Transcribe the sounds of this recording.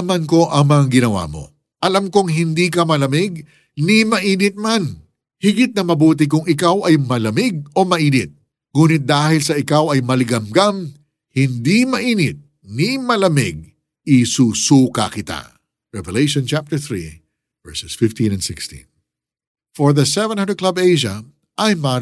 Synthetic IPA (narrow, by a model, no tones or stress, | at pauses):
ɐmɐnko̞ʔɐŋmɐŋaɡɪnɐwa̰mo̞̰ | ʔɐlamkʊŋɦɪnd̪iːkɐmɐlɐmɪɡ̚ | nɪmɐʔiːnɪt̪̚man | hɪɡɪt̪̚nɐmɐbuːt̪̬ɪk̬ʊŋɪkawʔɐjmɐlɐmɪɡ̚o̞mɐʔiːnɪt̪̚ | ŋuːnɪt̪̚d̪aːhɪlsɐɪkawɐjmɐlɪɡɐmɡam | hɪnd̪imɐʔiːnɪt̪̚ | nimɐlɐmɪɡ̚ | ɪsusuːkɐ̰kɪt̪a̰ | ɹɛvɛlejʃɔ̃nt͡ʃap̚t̪ɛ˞θɹḭ | vɛɹsɛsfɪft̪ĩnɐ̃nsɪkst̪ḭ̃n | foɹðɐsɛvɛnhɐnd̪ɾəd̚klɐbejʃɐ | ʔɐjma